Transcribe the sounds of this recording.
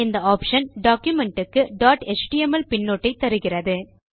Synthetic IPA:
ɪnd̪ɐaːpʂɐnɖaːkjʊmɛɳʈɯkːɯɖaːʈɛt͡ʃʈiɛmɐlpɪnːoːʈːɐɪt̪ːɐɾɯɣɪrɐðɯ

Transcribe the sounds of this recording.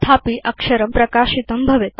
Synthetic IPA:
t̪ʰaːpiːʔɐkʂɐɾəmpɾɐkaːʃit̪ɐmbʱɐʋet̪

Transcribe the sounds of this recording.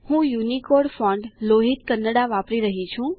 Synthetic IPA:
hũjunikoɖfɔ̃ɳɖloɦit̪kənːəɽaʋapɾiɾəɦit͡ʃʰũ

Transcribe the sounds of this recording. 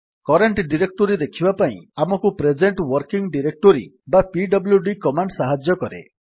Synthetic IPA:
kɔɾeɳʈɖiɾek̚ʈoɾid̪ekʰibapaḭ̃amɔkupɾed͡ʒeɳʈwɔɾkiŋɖiɾek̚ʈoɾḭ | bapiɖɔbljuɖikɔmaɳɖsaɦad͡ʒjɔkɔɾḛ

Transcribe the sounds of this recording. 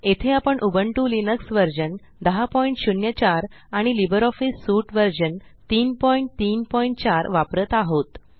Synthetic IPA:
et̪ʰeapəɳʔubəɳʈulinəksʋəɾd͡ʑən | d̪əɦapɔiɳʈɕunjət͡ɕaɾaɽ̃ilibəɾɔfisːuʈʋəɾd͡ʑənt̪iːnpɔiɳʈ̚t̪iːnpɔiɳʈ̚t͡ɕaɾʋapɾət̪aɦot̪

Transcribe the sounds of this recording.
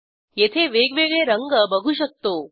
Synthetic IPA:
jet̪ʰeʋeɡʋeɡɭeɾəŋɡəbəɡʱuʃək̚t̪o

